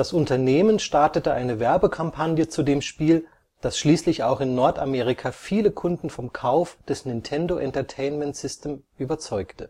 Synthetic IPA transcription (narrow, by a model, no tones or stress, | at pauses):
d̥asʔʊntɐneːmənʃtaɐtətəʔaɪnəvɛɐbəkʰampʰanjət͡sudeːmʃpiːl | d̥asʃliːslɪçaʊxɪnːɔɐtameːʁ̞ɪkʰafiːləkʰʊndn̩fɔmkʰaʊfd̥ɛsnɪntʰɛndoʔɛntɐtʰeɪnmɛntsɪstʰeːmʔyːbɐt͡sɔʏktə